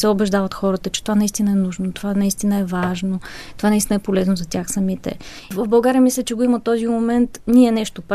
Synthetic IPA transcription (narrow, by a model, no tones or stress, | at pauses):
sɛobɛʒd̪avɐt̪xɔɾət̪ət͡ʃɛ̥t̪ovanɐist̪inɐɛnuʒnot̪ovanɐist̪inəɛvaʒnot̪ovanɐist̪inəɛpolɛznozɐt̪ʲaxsɐmit̪ɛ̰ | vəvbɐlˠɡaɾijəmislʲɛt͡ʃɛɡoimət̪ːɔzimomɛnt̪niɛnɛʃt̪op